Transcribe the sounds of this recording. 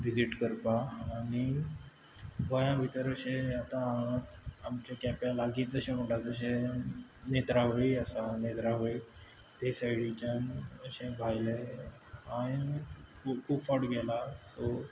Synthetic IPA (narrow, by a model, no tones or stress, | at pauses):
ʋid͡ziʈkəɾpaːɽ̃i | ʋəjãbʱit̪əɾəɕẽat̪ãaət̪amt͡ɕakɛpjalaɡiːt̪̚d͡zəɕẽm̤əʈad͡zəɕ̬ẽ | net̪ɾaɦoiəsanet̪ɾaɦoi | t̪esajɽit͡ɕanəɕẽbʱajle | aɽi | kʰuːpfɔʈɡɛlaso